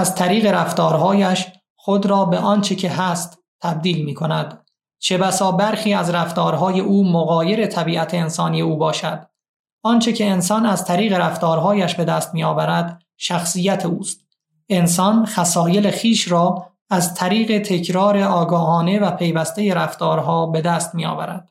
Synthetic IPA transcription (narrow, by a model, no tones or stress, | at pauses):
æzt̪ʰæɾiːɣe̞ɾæft̪ɒːɾɦɒːjæʃ | χod̪ɾɒːbeʔɒːnt͡ʃʰe̞cʰe̞ɦæst̪ | t̪ʰːæb̚d̪iːlmiːkʰo̞næd̪ | t͡ʃʰe̞bæsɒːbæɾxiːæzɾæft̪ɒːɾɦɒːje̞ʔuːmoɣɒːje̞ɾe̞t̪ʰæbiːʔæt̪ʰeːnsɒːnije̞uːbɒːʃæd̪̥ | ɒːnt͡ʃʰe̞cʰe̞ːnsɒːnæzt̪ʰæɾiːɣe̞ɾæft̪ɒːɾɦɒːjæʃbe̞d̪æːst̪miːɒːvæɾæd̪̥ | ʃæxsijæt̪ʰeuːst̪ | e̞nsɒːnxæsɒːjele̞xiːʃɾɒː | æzt̪ʰæɾiːɣe̞t̪ʰe̞cʰɾɒːɾe̞ɒːɡɒːɦɒːne̞væpʰe̞jvæst̪e̞je̞ɾæft̪ɒːɾɦɒːbe̞d̪æːst̪miːɒ̰ːvæ̰ɾæ̰d̪̥